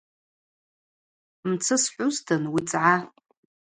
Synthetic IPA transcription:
mt͡sʰɨsħʷʊztʰɨnwit͡sʼʕa

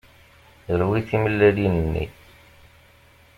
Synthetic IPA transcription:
əɾwiθiməlːəlinənːḭθ

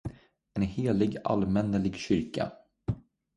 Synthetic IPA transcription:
ɛnheːlɪɡa̰lmɛnːəlɪɡɕʏɾka̰

